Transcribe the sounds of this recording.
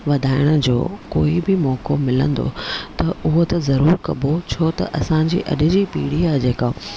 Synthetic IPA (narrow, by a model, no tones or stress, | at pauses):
ʋɐd̪ʱaːɪɽ̃ə̆d͡ʑo̰ːko̰ːibɪmɔːkomɪlə̃nd̪o̰t̪ɐʊɦot̪ɐzɐɾuːɾkɐbot͡ɕʰoːt̪ɐ̰ʔɐsãd͡ʑḭːʔɐ̰ɗɪ̆d͡ʑipiːɽiaːd͡ʑeːka